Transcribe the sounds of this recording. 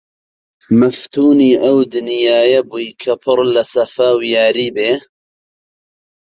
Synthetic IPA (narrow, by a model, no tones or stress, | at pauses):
mɐft̪ʰuːniːʔɐwd̪ɨnjaːjɐbuːjkʰɐpʰɨɾlɐsɐfɐwjaːɾiːbeː